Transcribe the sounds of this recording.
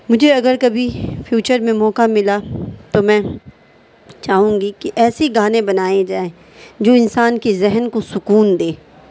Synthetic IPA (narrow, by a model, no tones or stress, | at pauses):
mʊd͡ʒʱeɐɡəɾkɐbʱifjuːt͡ʃəɾmẽmɔːkamɪlat̪omɛ̃ː | t͡ʃaːɦũːɡikiʔɛːseɡaːnẽbɐnaːed͡ʒaːẽ | d͡ʒoːɪnsaːnkezɛɦənkosʊkuːnd̪eː